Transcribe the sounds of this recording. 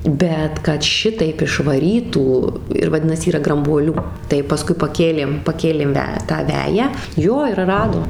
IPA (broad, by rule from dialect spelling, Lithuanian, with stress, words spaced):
ˈbʲɛt kɐt ˈʃʲɪtɐɪp ɪʃʋɐˈrʲiːtuː ɪr ʋɐˈdʲɪnɐs ˈiːrɐ ɡrɐmbuɔˈlʲuː tɐɪ pɐˈskʊɪ pɐˈkʲeːlʲeːm pɐˈkʲeːlʲeːm ˈʋʲɛ tɑː ˈʋʲæːjæː ˈjoː ɪr ˈrɑːdoːm